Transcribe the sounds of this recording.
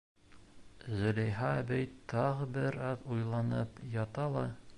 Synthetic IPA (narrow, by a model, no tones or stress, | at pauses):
zɵ̆lʲæjɦɑːbæjt̪ːɑʁɤbɘɾɑðujlˠɑnɤpjɑt̪ɑlˠɑ